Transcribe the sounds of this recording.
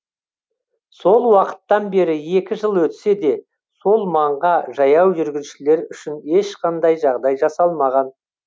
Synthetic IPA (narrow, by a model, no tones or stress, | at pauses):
so̞lˠwɑqə̥t̪ːɑnbe̞ɾɪe̞kʲɪʒəlˠwɵt̪se̞d̪e̞ | so̞lˠmɑɴʁɑʒɑjɑwʒʏɾɡʲɪzʃɪle̞ɾʏʃɪne̞ʃqɑnd̪ɑjʒɑʁd̪ɑjʒɑsɑlˠmɑʁɑn